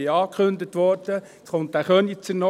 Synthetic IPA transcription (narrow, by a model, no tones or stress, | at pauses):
ɪɑːkχʏnd̪ət̪ʋɔɾd̥ə | sχontːæχœnit͡sənɔ